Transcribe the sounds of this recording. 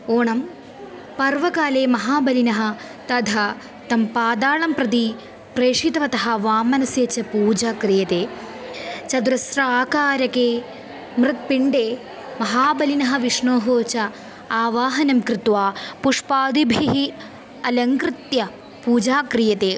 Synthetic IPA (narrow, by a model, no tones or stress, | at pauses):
oːɳɐm | pɐɾʋɐkaːleːmɐɦaːbɐlinɐɦɐ̆ | t̪ɐd̪ʱɐ | t̪ɐmpaːd̪aːɭɐmpɾɐt̪i | pɾeːʂit̪ɐʋɐt̪ɐɦɐʋaːmɐnɐsjeːt͡ʃɐpuːd͡ʒaːkɾijɐt̪eː | t͡ʃɐd̪uɾɐsɾɐaːkaːɾɐkeː | mɾɨt̪̚piɳɖeː | mɐɦaːbɐlinɐɦɐʋiʂɳoːɦoːt͡ʃɐ | aːʋaːɦɐnɐmkɾɪt̪ʋaːpuʂpaːd̪ibʱiɦi | ɐlɐŋkɾɪt̪jɐ | puːd͡ʒaːkɾijɐt̪eː